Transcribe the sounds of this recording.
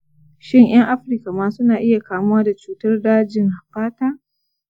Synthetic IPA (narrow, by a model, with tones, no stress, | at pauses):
ʃɪ˦ŋj̰ɐ˦ŋʔa˦ɸɾka˨maː˦sʊ˦naː˨ʔɪ˦ja˨kaː˨mʊ˦waː˦da˨t͡ʃuː˦tɐ˦rdaː˦d͡ʒɪ˦˨ŋha˨ɸaː˦taː˦